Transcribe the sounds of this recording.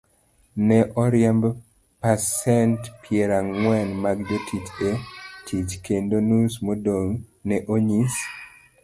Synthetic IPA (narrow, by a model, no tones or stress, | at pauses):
nɛʔɔɾjɛmb | pasɛntpʰjɛɾaŋwɛnmaɡd͡ʒotʰit͡ʃetʰit͡ʃkendonusmodoŋnɛʔoɲis